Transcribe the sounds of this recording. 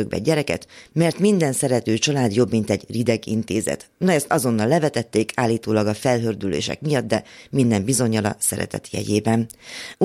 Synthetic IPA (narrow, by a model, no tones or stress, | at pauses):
øɡ̚bɛ̰ɟɛɾɛkɛ̰t̪mɛrt̪mind̪ɛnsɛɾɛt̪øːt͡ʃɒlaːd̪jo̞bmint̪ɛɟrid̪ɛɡḭnt̪ḛːzɛ̰t̪nɒɛst̪ɒzo̞nːɒlːɛvɛt̪ɛt̪ːeːkʰaːlːiːt̪oːlɒɡɒfɛlɦørd̪ylḛːʃɛ̰kmijɒd̪ːd̪ɛmind̪ɛmbizo̞ɲːɒlɒ̰sɛ̰ɾɛ̰t̪ɛ̰t̪jɛ̰ɟeːbɛn